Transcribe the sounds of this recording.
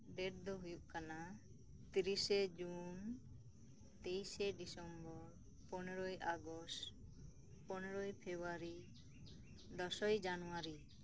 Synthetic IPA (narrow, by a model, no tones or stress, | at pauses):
ɖeʈ̚d̪ɔɦujuʔkana | t̪iɾised͡ʒun | t̪ejseɖisɔmbɔɾ | pɔnɛɾɔjʔaɡɔsʈ | pɔnɔɾɔjpʰebaɾi | d̪ɔsɔjd͡ʒanɔwaɾi